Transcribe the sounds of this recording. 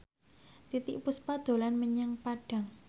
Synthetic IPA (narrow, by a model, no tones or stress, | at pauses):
t̪it̪ɪ̰ʔpuspad̪̥o̤lanməɲaŋpaɖ̥a̤ŋ